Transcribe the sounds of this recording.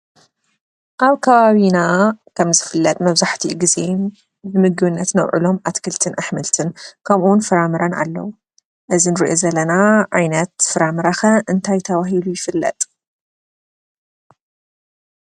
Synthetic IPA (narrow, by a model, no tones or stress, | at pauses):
ʔaβkʰɐβaβinakʰɐmzɨfɨlːɐt̪ʼmɐβzaħt̪ʰiɡizen | bɨmɨɡɨβɨnːɐt̪nɐ̰wʕɨ̰lo̞mʔat̪kʰɨlt̪ʰɨnʔaħmɨlt̪ʰɨnkʰɐmʔunfɨɾamɨɾɐna̰lːɐ̰wu | ʔɨzinɨɾḭʔozɐlːɐnaʕajnɐt̪fɨɾamɨɾaxɐʔɨnt̪ʰajt̪ʰɐβaɦilujɪfɨlːɐ̰t̪ʼ